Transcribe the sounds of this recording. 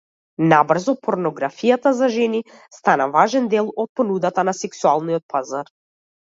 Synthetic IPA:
nabr̩zɔpɔɾnɔɡɾafijat̪azaʒɛni | st̪anavaʒɛnd̪ɛlˠɔt̪̚pɔnud̪at̪anasɛksualˠniɔt̪̚pʰazaɾ

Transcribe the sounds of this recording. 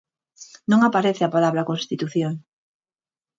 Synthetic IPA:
nõŋapaɾeθɪapalaβɾakonst̪it̪uθjoŋ

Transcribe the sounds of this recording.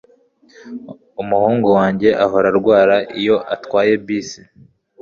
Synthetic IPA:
umuhuːŋɡowaːɲɟe̞ʔaɦo̞ɾaɾɡwaːɾaʔijo̞ʔatwaːje̞biːsi̥

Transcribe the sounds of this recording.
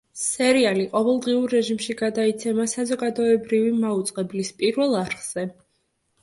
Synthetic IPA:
sɛɾialiqʼɔvɛlˠd̪ʁiuɾːɛʒimʃiɡad̪ait̪sʰɛmasazɔɡad̪ɔɛbɾivimaut̪sʼqʼɛblispʼiɾvɛlˠaɾχz̥ɛ

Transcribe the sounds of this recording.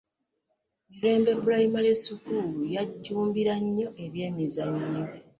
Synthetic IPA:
miɾe̞ːmbe̞bulaimaljesukuːlujaɟːuːmbiɾaɲːo̞ʔe̞βje̞ːmizaɲːo

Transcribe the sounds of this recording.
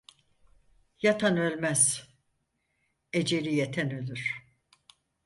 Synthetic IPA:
jat̪ʰanø̞lʲmæz̥ | ed͡ʒelʲijet̪ʰænø̞lʲyɾ̥

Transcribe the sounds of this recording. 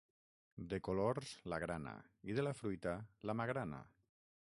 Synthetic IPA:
d̪ekoloɾz̥laɣ̞ɾana̰iðelafɾujt̪alamaɣɾana̰

